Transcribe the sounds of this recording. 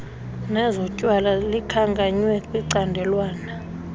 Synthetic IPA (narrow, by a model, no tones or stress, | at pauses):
nɛzɔcʼwalalikʰaŋkʼaɲwɛkʼwiǀandʱɛlwaːna